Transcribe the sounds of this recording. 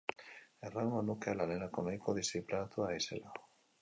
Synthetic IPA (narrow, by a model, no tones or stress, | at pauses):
eraŋɡonukealanenakonajkoðisiplanat̪uaisḛla